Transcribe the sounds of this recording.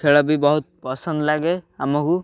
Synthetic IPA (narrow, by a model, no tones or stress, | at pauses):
kʰeɭɔbibɔɦut̪̚pɔsɔnd̪laɡeamɔku